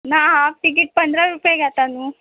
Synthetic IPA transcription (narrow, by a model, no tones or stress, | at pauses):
naːaʋʈik̬iʈ̚pɐnd̪ɾaɾupeɡaːt̪anu